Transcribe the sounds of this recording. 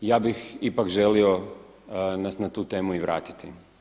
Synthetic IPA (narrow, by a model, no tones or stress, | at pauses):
jaːbixipakʒelio̞ | nasnat̪uːt̪e̞ːmuiʋɾa̰ːt̪i̥t̪i